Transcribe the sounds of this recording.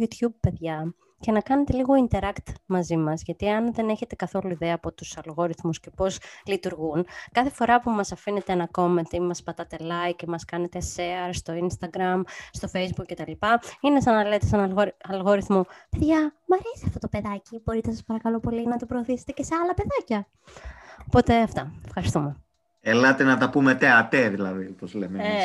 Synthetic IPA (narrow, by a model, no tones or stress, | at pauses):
ut̪jub̚pːe̞ðʝɐ | ce̞nɐkɐne̞t̪e̞liɣo̞int̪e̞ɾɐkt̪mɐzimɐzʝɐt̪iɐnðe̞ne̞çe̞t̪e̞kɐθo̞luiðe̞ɐːpo̞t̪usɐlɣo̞ɾiθmusce̞po̞zlit̪uɾɣunkɐθe̞fo̞ɾɐpumɐsɐfine̞t̪eenɐko̞ment̪imɐspɐt̪ɐt̪e̞lɐikemɐskɐne̞t̪e̞seɐɾst̪o̞inst̪ɐɡɾɐmst̪o̞fejzbukcːe̞t̪ɐlipɐine̞sɐnɐlet̪esɐnɐlɣoɾɐlɣoɾiθmope̞ðʝɐmɐɾesiɐft̪o̞t̪o̞pe̞ðɐcibo̞ɾit̪esɐspɐɾɐkɐlo̞po̞linɐt̪opɾoːθise̞̥t̪ecese̞ɐlɐpe̞ðɐcɐ | opo̞t̪e̞ɐft̪ɐefxɐɾist̪ume | elɐt̪enɐt̪ɐpumet̪eɐt̪eðilɐðiopozlemee